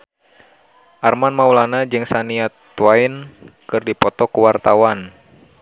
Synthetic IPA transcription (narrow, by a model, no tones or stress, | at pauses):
ʔarmanmaulanad͡ʒɨŋsaniat̪wainkɨrdipɔt̪ɔkuwart̪awan